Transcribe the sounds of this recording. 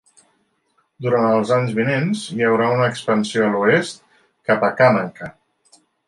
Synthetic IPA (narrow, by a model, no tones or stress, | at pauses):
d̪uɾant̪əlˠzaɲzβinenzjəwɾaunəːkspənsioəluest̪̚ | kapəkanəŋkə